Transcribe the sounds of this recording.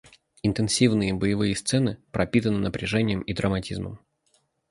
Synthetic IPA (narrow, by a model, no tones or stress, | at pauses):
ɪnt̪ɨnsʲivnɨjəbəjɪvɨjəst̪sɛnɨpɾʔɐpʲit̪ənɨnəpɾʲɪʐɛnʲɪjəmid̪ɾəmɐtʲizmə̰m